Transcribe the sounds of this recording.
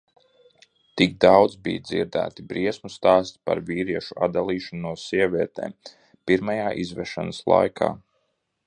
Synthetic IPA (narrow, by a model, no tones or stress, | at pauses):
t̪iɡ̚d̪awd̪zbḭjd̪zḭɾd̪æ̰ːt̪ibɾiɛsmust̪aːst̪pa̰ɾviːɾiɛʃua̰d̪alˠiːʃanuɔssiɛvʲiɛt̪ɛ̰ːm | piɾmajaːʔizvɛʃanəslˠa̰jkʰa̰ː